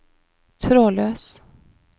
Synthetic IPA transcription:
t̪ʰɾoːløːs

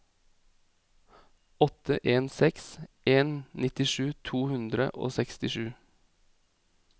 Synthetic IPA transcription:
ɔt̪ə̰ʔeːnsɛksʔeːnnɪt̪ɪʃʉːt̪ʰuːhʉnd̪ɾə̰ʔo̰ːsɛkst̪ɪʃʉː

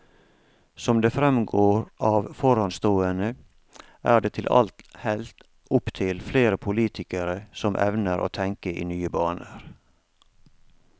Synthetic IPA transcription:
sɔmd̪eːfɾɛmɡoːɾɑːʋfɔɾɑnst̪oːənə | ʔæːɖeːt̪ʰɪlʔɑ̰lt̪hɛlt̪ | ʊpt̪ʰɪlfleːɾəpʰʊliːt̪ʰɪkəɾəsɔmʔɛ̰ʋnəɾʔo̰ːt̪ʰɛŋkəʔḭːnyːəbɑːnəɾ

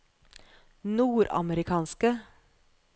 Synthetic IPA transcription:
nuːɾɑ̰məɾɪkʰɑːnskə

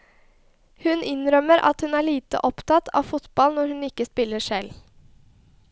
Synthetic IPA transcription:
hʉnʔɪnɾœməɾʔɑ̰t̪hʉnæːɭiːt̪ə̰ʔɔpt̪ʰɑt̪ʰɑ̰ːʋfʊt̪bɑlnɔɾhʉnɪkːəspɪlːəsɛl

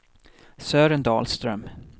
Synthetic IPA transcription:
sœːɾənd̪ɑ̰ːlst̪ɾœm

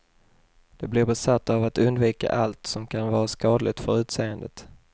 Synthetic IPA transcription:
d̪̥ɛblɪɾbɛsat̪ːavat̪ɵnd̪viːka̰ʔalt̪sɔmkʰanvɑːɾaskɑːd̪lɪt̪fœɾʉ̟ːt̪seːənd̪ət̪

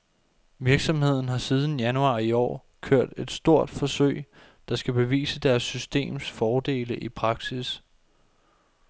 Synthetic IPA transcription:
ʋiɐɡ̥sɒ̽mhe̝ð̞̰ˠn̩ɦɑ̈sið̞ˠn̩jænuɑ̈ːiɒ̰ː | kʰøɐ̰d̥e̝d̥sd̥o̝ɐ̰d̥fɒ̽søɪ̰ | d̥ɑ̈sɡ̥æb̥e̝ʋḭːsəd̥æɐsːysd̥e̝̰ːmsfɒːd̥e̝̰ːləʔipʰʁɑ̈ɡ̥sis

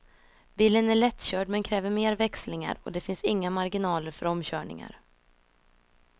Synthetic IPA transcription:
biːlənæɭɛt̪ːɕœːɖmɛnkʰɾɛːvəɾmeːɾvɛkslɪŋa̰ɾɔ̰d̪ɛfɪnsɪŋːamaɾɡɪnɑːləɾfœɾɔmɕœːɳɪ̰ŋa̰ɾ

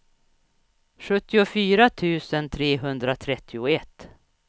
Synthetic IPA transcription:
ɧɵt̪ːɪʊfyːɾat̪ʰʉ̟ːsənt̪ʰɾeːɦɵnd̪ɾat̪ʰɾɛt̪ʰːɪʊɛt̪ː

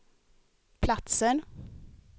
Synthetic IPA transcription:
pʰlat̪sən

